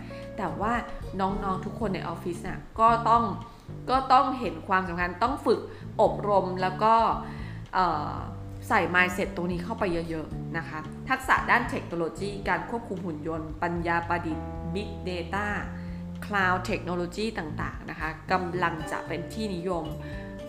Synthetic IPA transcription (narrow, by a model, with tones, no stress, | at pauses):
t̪ɛː˨˩waː˥˩nɔː˦˥ŋnɔː˦˥ŋt̪ʰu˦˥kʰːo˧nːa̰˧jʔɔː˧fi˦˥sni˦˥˩kɔː˥˩t̪ɔ˥˩ŋ | kɔː˥˩t̪ɔ˥˩ŋɦe˩˦nkʰwaː˧msa˨˩˦mkʰa˧nt̪ɔ˥˩ŋfɯ˨˩k̚ | ʔo˨˩p̚ɾo˧mlɛː˦˥wkɔː˥˩ | ʔɤː˨˩ | sa˨˩jmaː˧jse˨˩t̪ːo˧ŋniː˦˥kʰa˥˩wpa˧ja˦˥jɤ˦˥na˦˥kʰa˦˥ | t̪ʰa˦˥k̚sa̰˨˩˦daː˥˩nt̪ʰe˦k̚noː˧loː˧t͡ɕiː˥˩kaː˧nkʰu˥˩əp̚kʰu˧mhu˨˩˦njo˧npa˧njaː˧pa˧di˨˩t̪̚bi˦˥k̚deː˧t̪aː˥˩ | kʰlaː˧wt̪ʰe˦˥k̚no˧loː˧t͡ɕiː˥˩t̪aː˨˩ŋt̪a̰ː˨˩ŋna̰˦˥kʰa˦˥ka˧mla˧ŋt͡ɕa̰˨˩ʔpe˧nt̪ʰiː˥˩ni˦˥jo˧m